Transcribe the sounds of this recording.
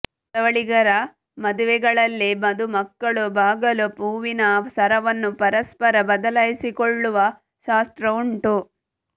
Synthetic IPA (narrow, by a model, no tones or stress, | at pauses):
t̪ɐʋɐɭiɡɐɾɐ | mɐd̪uʋɛɡɐɭɐlːimɐd̪umɐkːɐɭubʱaːɡɐlupuːʋinɐsɐɾɐʋɐnːupɐɾɐspɐɾɐbɐd̪ɐlɐjisikoɭːuʋɐ | ʃaːst̪ɾɐuɳʈu